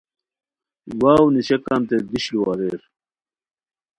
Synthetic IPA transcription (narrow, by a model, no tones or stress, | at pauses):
waːwniɕekaːnt̪ed̪iɕliwaːɾeːɾ